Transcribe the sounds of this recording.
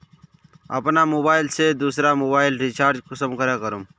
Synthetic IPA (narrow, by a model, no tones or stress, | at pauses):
ə̰pnamoːbaːɪlsed̪uːsɾamoːbaːɪlɾit͡ʃaːɾd͡ʒkʊsəmkəɾakəɾum